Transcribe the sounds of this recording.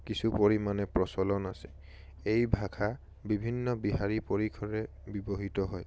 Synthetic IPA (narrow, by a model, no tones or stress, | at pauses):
kisupoɹimanɛpɹɔsɔlɔnasɛ̥ | ejbʱakʰa | bibʱinːɔbiɦaɹipoɹikʰɔɹɛ | bibɔɦitɔɦɔj